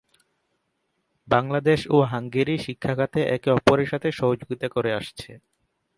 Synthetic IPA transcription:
baŋlad̪eʃoɦaŋɡeɾiʃikʰːakʰat̪ʰeʔɛkɔpoɾeɾʃat̪ʰeʃɔɦod͡ʑoɡit̪akoɾeaʃt͡ɕʰe

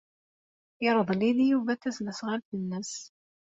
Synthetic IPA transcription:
ɪɾˤəðˤliðijuvæθæsləsʁalθənːəs

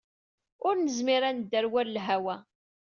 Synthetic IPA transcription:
ʊɾnəzmiɾænd̪ːæɾwæɾlɦæwæ

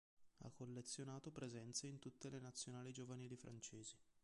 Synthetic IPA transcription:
a̰kːolːet̪sːjonaːt̪opɾezɛnt̪seint̪ut̪ːelenat̪sːjonaːlid͡ʒovaniːlifɾʔa̰nt͡ʃeːzi

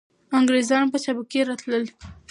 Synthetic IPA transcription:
aŋɡɾezɑnpət͡ʃabakeɾɑt̪ləl

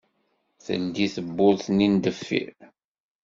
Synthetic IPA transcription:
θə̰nd̪iθəbːʊlθnind̪əfːḭɾ

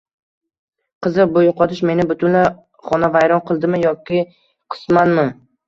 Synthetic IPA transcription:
qʰɨzɪɾbojʊqɒt̪ʰɪʃme̞nɪbʊt̪ʰʊnla | χɒnavajɾɒnqʰɨlˠd̪ɪmɪjɒkʲɪ | qʰɨ̥smanmɪ

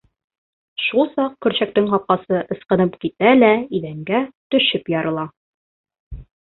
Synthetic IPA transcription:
ʃulˠsɑq̚kɵ̆ɾɕæk̚t̪ɘŋhɒp̚qɑsɤʔɤ̆sqɤ̆nɤpkit̪ælæiðæŋɡæt̪ɵ̆ʃɘpjɒɾɤ̆lˠɑ

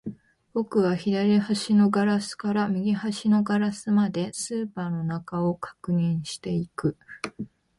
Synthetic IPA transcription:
b̥o̞kɯ̟βaçid̪aɾʲihaɕino̞ɡaɾasɨ̥kaɾamʲiɡʲihaɕino̞ɡaɾasɨmad̪e̞sɨːpaːno̞nakao̞kḁkɯ̟ɲ̟ĩɰ̃ɕi̥t̪e̞ikɯ̟

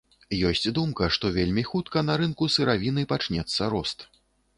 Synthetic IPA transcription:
jɔsʲt͡sʲd̪umkɐʂt̪ɔvʲelʲmʲixut̪̚kɐnɐɾɨnkusɨɾavʲinɨpat͡ʂnʲɛt̪sːɐɾɔst̪

